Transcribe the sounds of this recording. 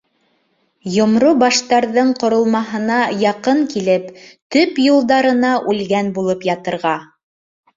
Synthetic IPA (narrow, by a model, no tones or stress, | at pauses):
jŏmɾubɑʃt̪ɑɾðɤɴqŏɾŏlˠmɑɦɤ̆nɑjɑqɤɴkilɘpt̪ɵpjulˠd̪ɑɾɤ̆nɑʔʉlɡænbulˠɤpjɑt̪ɤ̆ɾʁɑ